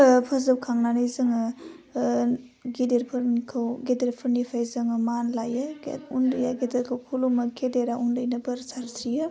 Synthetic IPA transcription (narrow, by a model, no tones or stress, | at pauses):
pʰɯzɯwkʰaŋnanɯjzɯŋɯ | ɡideɾpʰɯɾnkʰawɡedeɾpʰɯɾnipʰajzɯŋɯmanlajɯundɯjaɡedeɾkʰawpʰulumɯkʰedeɾaʔundɯjnɯbɯɾsaɾsʰijɯ